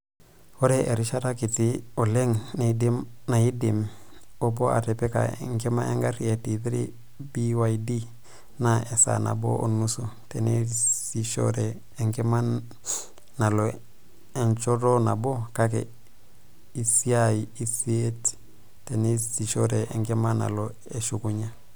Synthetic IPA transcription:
o˦ɾe˦ʔe˨ɾi˦ʃa˦ɾa˦ki˨ti˦o˨le˦ŋndna˨i˦di˨mo˦bo˦a̰˨te˨pe˦ka̰˨ḛ˨ŋke˦ma˦ḛ˦ŋɡa˦ɾi˦e˨ti˨ti˦ɾḭ˦ | bi˦wa˨i˦di˦ | na˦e˨sa̰˨na̰˨bo̰˦ʔo̰˨nːu˦su˨te˨ne˦si˨ʃo̰˦ɾeː˨ | ŋɡe˦ma˦n | na˨lo˨ | e˨ɲt͡ʃo˦ɾo˦na˨bo˦ka˦kḛ˨ | i˦si˦ajii˦si˦e˦t | te˨ne˦si˨ʃo˦ɾe˨e˨ŋɡe˦ma˦na̰˨lo˨ | e˨ʃu˨ku˦ɲa˦

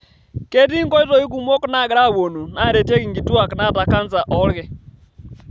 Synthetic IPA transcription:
kɛ˦ti˦ŋkɔ˦i˦tɔ˨i˦ku˨mwɔ˦kɔ˦na˦˨ɣɾa˦˨βo˨nu˨na˦˨ɾɛ˨tjɛ˦ɣi˨ŋɡi˨tu˦a˨kna˦˨ta˨ka˦nt͡sa˨ʔɔ˦lɣɛ˦

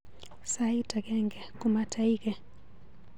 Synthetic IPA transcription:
sai˦ta˨kɛ˦ŋɡɛ˨kuma˦tʰa˨i˦kɛ˨

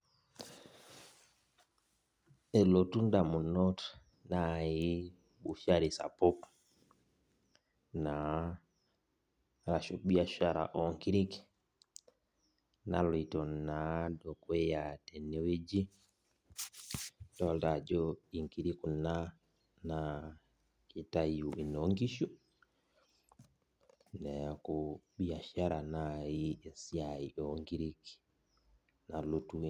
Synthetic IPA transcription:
ɛ˨lo˨tu˦nda˨mu˨nɔt | na˨ji˦ | ɓu˨fa˦ɾisa̰˨po˦k | na˨ | ɾa˨ʃu˨ɓi˦a˦ʃa˨ɾa̰˨ʔɔŋki˦ɾi˦ki̥ | na˦lɔ˨i˨tɔ˨na˨dɔ˨kwɛ˦jatɛ˨ne˦we˦d͡ʒi˦ | dɔltad͡ʒɔi˨ŋki˨ɾi˦ku˨na | na | ki˨tajuʔi˨noŋɡi˦ʃu˦ | nɛakuɓi˦a˨ʃaɾa˨najie˨si˦aiʔɔŋɡi˦ɾiki̥ | nalutu

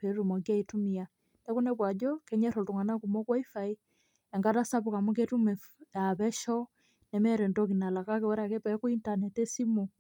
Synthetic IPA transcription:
pe˨˦ɾu˨mɔ˨kja˦i˨tu˦mi˨a˨ | ndɛ˦ku˦nɛ˦bwa˨d͡ʒɔ˦kɛ˦ɲɛ˦ɾɔ˨tu˨ŋa˨na˦ku˨mɔ˦kwa˦i˦fa˨i˦ | ɛ˨ŋɡa˦ta˦sa˦pu˨ka˨mu˦k̬e˦tu˦mɛ˨ | a˨βɛ˦ʃɔ˦ | nɛ˨mɛ˦ɾɛ˨ndɔ˦ki˨na˨la˨ka˦k̬e˨wɛ˦ɾa˨ke˦pɛ˦ko˦i˦nta˨nɛ˨te˦si˦mu˨

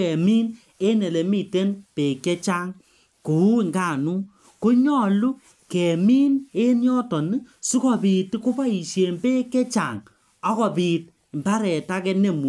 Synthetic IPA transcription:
ɛ˨mi˦n | e˦ne˨le˨mi˦˨te˦npe˨kɛ˦t͡ʃa˦ŋ | ku˨u˦i˨ŋɡaː˦˨nu˦ | ko˦ɲɔ˦lu˦ | kɛ˨mi˦ne˦njɔ˦tɔ˨nɨ˦su˦kɔ˦˨pi˨tku˦pa˦i˨ʃe˨npe˦kɛ˦t͡ʃa˨ŋ | ɔ˦kɔ˨pi˨t | mba˦ɾɛ˨ta˦kɛ˦ne˦˨mu˨

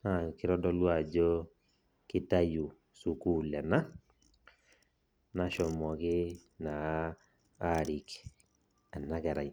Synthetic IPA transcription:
na˨kɪ˦ɾɔ˦dɔ˦lwa˦˨d͡ʒɔ˦ | kɪ˦ta˦ju˨ | su˨ku˦lɛ˨na˦ | na˦ʃɔ˨mɔ˨kɪ˦ | naː˨˦ | ɾi˨k | a˨na˦ka˨ɾa̰˨j

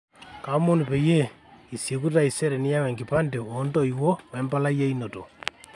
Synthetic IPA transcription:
ka˨mo˦nu˨pe˨je˦ | i˨sje˨k̬u˦ta˦˨ise˦ɾɛ˨ni˦ja˦wɛ˨ŋɡi˨pa˦nde˨ondo˦iwo˦wɛ˨mba˦la˦je˦i˦no˨to˨

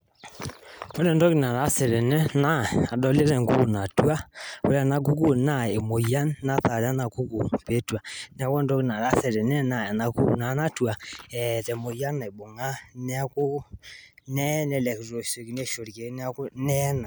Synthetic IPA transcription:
o˦ɾɛ˦˨ndɔ˦ki˨na˨ɾa˦sɛ˨ɾɛ˨nɛ˦na˦a˨dɔ˦le˦ɾɛ˨ŋɡo˦ku˨na˨tu˦a˦o˨ɾa˨na˨˦k̬u˦ku˦na˦˨e˨mo˨ja˦nːa˦θa˨ɾa˦na˨ku˦ku˨pe˦twa˨n˨˦a˨˦kɔ˦ndɔ˦ki˨na˨ɾa˦sɛ˨ɾɛ˨nɛ˦na˨a˨na˨ku˦kṵ˨na˨˦na˦tu˦a˨ɛ˨tɛ˨mo˨ja˦na˨e˨bo˨ŋa˦nɛ˦a˦kʊ˦ | nɛ˦nɛ˨lɛ˨kɾo˨so˨ki˨ne˦˨ʃo˨ɾi˨ke˨˦nɛ˦a˦ku˦nɛ˦na˨

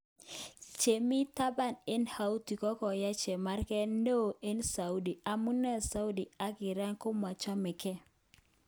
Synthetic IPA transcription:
t͡ʃe˨mi˦ta˦ba˦˨ne˦nha˨u˦ti˨kɔ˦kɔ˨ja˦t͡ʃɛ˨ma˦rkɛ˦no˦˨e˦nsa˨u˦di˨a˨mu˦nɛ˦sa˦u˦di˨a˦ɡɪ˨ɾa˦ŋkʊ˦ma˨t͡ʃɔ˦mɪ˨kɛ˦

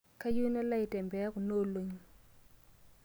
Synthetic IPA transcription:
kʰa˦ju˦na˦la˦i˨tɛ˨mbɛ˨a˦ku˨no˦˨lo˨ɲ˦

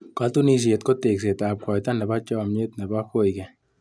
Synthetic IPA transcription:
ka˦t̪u˦ni˦˧s̬e˨˧t̪ko˦t̪e˨ks̬e˨t̪a˨p̚ka˨jt̪a˦nɛ˨ba˦t͡ʃɔ˦˨me˦t̪nɛ˨ba˦ko˦jkɛ˨

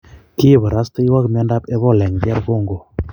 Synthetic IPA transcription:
ki˦˨βa˨ɾa˦stə˦i˦wa˦kmɛ˦nda˦pɛ˦βɔ˦˨lɛ˨ŋd͡ʒɛ˦ɾɡo˦˨ŋɡo˨

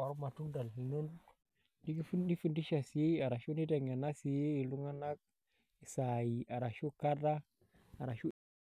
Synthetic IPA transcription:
a˨ɾu˦ma˨tu˦nda˨li˨no˦n | di˦ɡi˦fndi˦fu˦ndi˦ʃa˨si˨je˦a˨ɾa˨ʃo˦ni˦da˨ŋa˨na˦si˨je˦i˨lu˦ŋa˦na˦k̚ | i˨sa˨ji˨a˨ɾa˨ʃo˦ka˦da˦ | a˨ɾa˨ʃu˦

